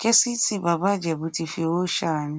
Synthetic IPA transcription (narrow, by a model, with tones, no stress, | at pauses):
ke˦si˦tʰi˦ba˨ba˦d͡ʒɛ˨bu˨ti˨fi˨o˦ʃa˦˨nɪ̃˦